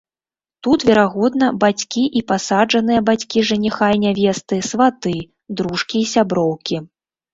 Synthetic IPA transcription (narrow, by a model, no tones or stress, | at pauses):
t̪ut̪vʲɛɾaɣɔd̪nɐbat͡sʲkʲiʔipasad͡ʐɐnɨjɐbat͡sʲkʲiʐɐnʲixajnʲavʲɛst̪ɨsvat̪ɨ | d̪ɾuʂkʲiːsʲabɾɔwkʲi